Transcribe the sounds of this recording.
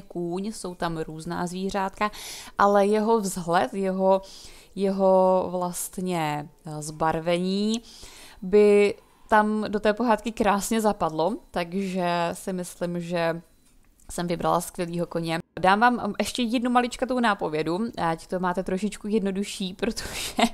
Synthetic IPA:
kuːɲso̞wt̪amɾuːzna̰ːzviːr̝aːt̪kaʔalɛjɛɦo̞vzɦlɛt̪jɛɦo | jɛɦo̞vlast̪ɲɛzbaɾvɛɲiː | bɪ | t̪amdot̪ɛːpo̞ɦaːt̪kɪkɾaːsɲɛzapadlo̞t̪aɡʒɛsɪmɪslɪmʒɛ | sɛmvɪbɾa̰laskvʲjɛliːɦo̞ko̞ɲɛdaːmvaːmʔɛʃcɛjɛdnumalɪt͡ʃkat̪ownaːpo̞vjɛduact̪omaːt̪ɛt̪ɾoʃɪt͡ʃkujɛdno̞duʃiːpɾot̪ʰo̥ʒɛ

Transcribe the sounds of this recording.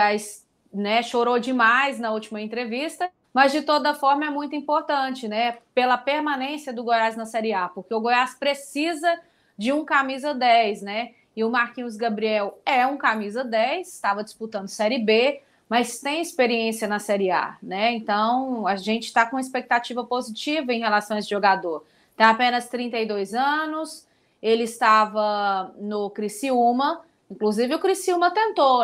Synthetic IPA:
ajs | nɛʃoɾod͡ʒɪmajznɐut͡ʃimɐẽnt̪ɾevist̪ɐ | mɐzd͡ʒɪt̪od̪ɐfɔɾmɐɛmũj̃t̪ʊĩpoɾt̪ɐ̃t͡ʃɪnɛpelɐpeɾmãnẽsijɐd̪ʊɡojaznɐsɛɾiapoɾkeʊɡojaspɾesizɐ | d͡ʒɪũkamizɐd̪ɛjsnɛ | ɪʊmaɾkĩz̬ɡɐbɾiɛwɛũkamizɐd̪ɛjsɪ̥t̪avɐd͡ʒɪsput̪ɐ̃nd̪ʊsɛɾɪbe | mɐst̪ẽj̃ɪspeɾiẽsiɐnɐsɛɾia̰nɛẽnt̪ɐ̃w̃ɐʒẽnt͡ʃɪ̥t̪akõispek̚t̪at͡ʃivɐpozit͡ʃivɐẽj̃ɦelasɐ̃w̃esɪʒoɡad̪oɾ | t̪ẽj̃apẽnɐst̪ɾĩnt̪ɐjd̪ojzɐ̃nʊs | elɪst̪avɐnʊkɾisiũmɐ | ĩŋkluzivɪʊkɾisiũmɐt̪ẽnt̪o

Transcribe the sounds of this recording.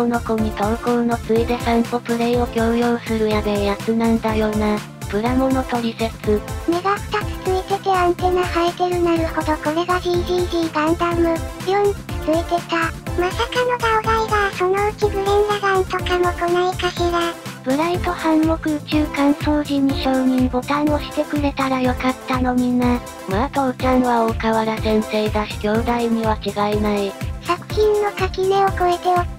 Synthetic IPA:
ono̞koɲ̟it̪oɯkono̞t͡sɨed̪esãnt̪o̞pɯ̟ɾe̞io̞ɡʲoːjoːsɨɾɯ̟jamejakɯnãnd̪ajo̞ːna | pɯ̟ɾamo̞no̞t̪o̞ɾʲise̞t͡sɨme̞ɡakɯ̥t̪at͡sɨ̥t͡sɨit̪e̞t̪e̞ãnt̪e̞nahaet̪e̞ɾɯ̟naɾɯ̟ho̞d̪o̞ko̞ɾe̞ɡad̪iːd̪ʲiːd̪ʲiːɡ̪ãnd̪ãmːojo̞ɲ̟i̥t͡sɨ̥t͡sɨit̪e̞t̪amasakano̞d̪aoɡ̪aiɡaso̞no̞ɯ̟kibɯ̟ɾẽnd̪aɡãnt̪okamokonaikaɕiɾab̥ɯ̟ɾait̪o̞hãŋːo̞kɯ̟ɯt͡ɕɨːkãɰ̃soːʑĩɲ̟ːiɕo̞ːɲ̟ibo̞t̪ãɰ̃o̞ɕi̥t̪e̞kɯ̟ɾe̞t̪aɾajo̞kat̪ːano̞mʲina | maakaot͡ɕãɰβaokaβaɾasẽ̞nt̪eiɡḁɡʲo̞ːd̪aiɲ̟iβakʲiɡainaiɕakɯ̟̥çʲĩnːo̞kakʲime̞o̞ko̞et̪e̞o

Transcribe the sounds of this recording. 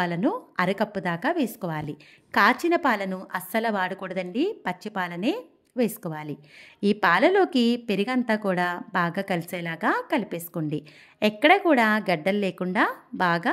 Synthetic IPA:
aːlɐnuɐɾɐkɐpːud̪aːkaːʋeːsu̥kɔːʋaːli | kaːt͡ʃinɐpaːlɐnuʔɐsɐlɐʋaːɽukuɽɐd̪ɐɳɖipɐt͡ʃːipaːlɐneː | ʋe̞ːsu̥kɔːʋaːliiːpaːlɐlo̞ːkipe̞ɾiɡɐnt̪aːkuːɽaːbaːɡaːkɐliseːlaːɡaːkɐlipeːsu̥koɳɖi | ɛkːɐɽɐkuːɽaːɡɐɖːɐllːeːkuɳɖaːbaːɡaː

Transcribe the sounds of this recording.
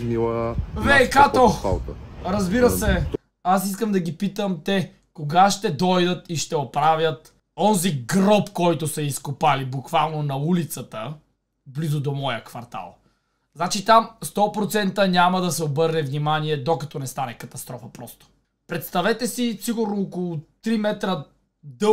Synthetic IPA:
nilˠəvɛjkat̪oalˠɾɐzbiɾəsɛ | asiskəmd̪ɐɡipit̪əmt̪ɛ | koɡaʃt̪ɛd̪ɔjd̪ət̪iʃt̪ɛopɾavjɐt̪ | ɔnziɡɾɔpkɔjt̪ʊsɐiskopalibukvalˠnonɐulit̪sət̪ə | blizʊd̪omɔjəkvɐɾt̪a̰lˠ | znat͡ʃit̪amst̪ɔpɾot̪sɛnt̪ənʲaməd̪ɐsɛobɤɾnɛvnʲimaniɛd̪okɐt̪ɔnɛst̪anɛkɐt̪ɐst̪ɾɔfəpɾɔst̪o̥ | pɾɛt̪st̪ɐvɛt̪ɛsisiɡʊɾnoːkolˠʊt̪ɾimɛt̪ɾə | d̪ɤ

